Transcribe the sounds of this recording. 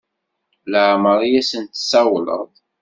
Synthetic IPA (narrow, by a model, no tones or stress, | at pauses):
ləʕməɾˤjæsənt̪sæwlə̰ðˤ